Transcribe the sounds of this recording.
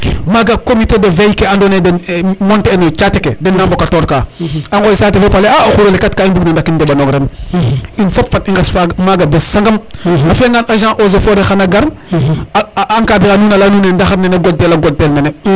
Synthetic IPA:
maɡakomitedevejkeandonedenmɔntenet͡ʃatekḛdenːambokatoɾkaaŋɡosaːtifopaleaaxuɾolikatkaimbuknandakːindebanoɡɾen | infopfatiŋɡesfaɡmaɡabessaŋɡɐmafieŋɡanʔaʒãːʔozofoɾexanaɡaɾ | aŋkadikanunalanuːnendaxaɾneneɡot̚delaɡot̚delnene

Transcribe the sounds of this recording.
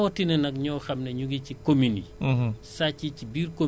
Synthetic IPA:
wɔtinɛnɐkɲɔːxɐmnɛɲuɡicikominḭsacːicibiːɾko

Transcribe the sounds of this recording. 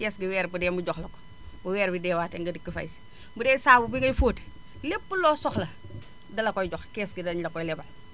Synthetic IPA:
kɛsɡiwɛːɾbudɛmuɟɔxlɐkɔ̥ | buwɛːɾbidɛːwaːtɛŋɡɐdikːifɐ̰js | budɛːsaːbubiŋɡɐjfoːt | lepːulɔːsɔxlɐ | dɐlɐkɔjɟɔxkɛːsɡidɐɲlɐkɔjlɛbɐl

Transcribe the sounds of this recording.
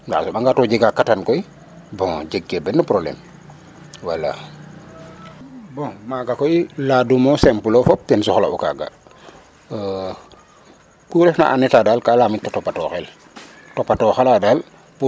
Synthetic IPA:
ŋɡa̰suɓaŋɡatɔd͡ʒeɡakatankɔi | bɔ̃ŋd͡ʒɛɡːɛbɛnːupɾoblɛ̰m | walːa̰ | bɔ̃maɡakɔiladumɔsɛmpulɔfɔp̚tɛnsuxɔla̰ʔuka̰ɡa̰ | kuɾɛfna̰ʔanɛtadalkalamitːatɔpːatɔxɛl | tɔpːatɔxaladal | pu

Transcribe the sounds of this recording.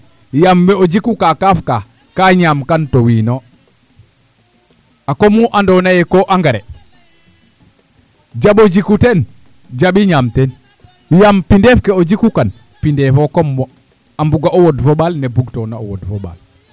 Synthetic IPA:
jamːɛod͡ʒikukakafka | kaɲamkantowiːnɔ | akɔmuʔandɔnajɛkɔʔaŋɡaɾɛ | d͡ʒaɓod͡ʒikutɛn | d͡ʒaɓiɲamtɛn | jampindɛfkɛod͡ʒikukan | pindɛfɔkɔmːɔ | ambuɡaɔwɔdfɔɓalnɛbuɡtɔnaɔ̰wɔ̰dfɔɓa̰l

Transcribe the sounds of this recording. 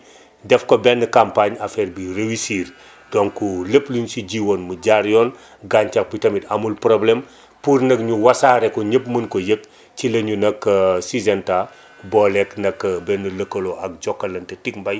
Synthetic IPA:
dɛfkɔbɛnːəkampaɲafɛːrbirewisiːr | dɔŋkuləplinsiɟiwonmuɟaɾjɔn | ɡaɲt͡ʃɐk̚bitɐmitɐmulpɾɔblɛm | puɾnɐk̚ɲuwɐsaːɾɛkɔɲəpmɐnkɔjək̚ | cilɐɲunɐkːəsizɛnta | bɔːlɛknɐkːəbɛnələkːɐlɔʔɐk̚d͡ʒɔkːɐlɐntɛtik̚mbɐj

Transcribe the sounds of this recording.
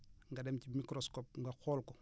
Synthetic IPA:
ŋɡadɛmcimikɾɔskɔp̚ŋɡaxɔːlkɔ

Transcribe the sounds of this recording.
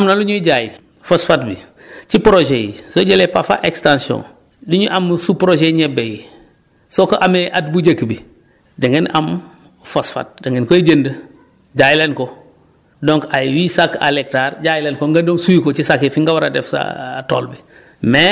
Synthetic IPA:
amnaluɲuɟaːjḭ | fosfatbi | t͡ʃipɾoʒejisoɟelepafa̰ʔekstãnsiɔ̰n | duɲuʔamsupɾoʒeɲɛbeji | sokoʔameʔatbuɟəkːbi | dɐŋɡenʔam | fosfa̰t̚dɐŋɡenkɔeɟəndə | ɟaːjilenko | dɔŋkajwisaka̰lek̚taːɾɟaːjileːnkoŋɡadoŋsujikot͡ʃisakːefiŋɡawaɾa̰dɛfsa̰to̰ːlbi | mɛ

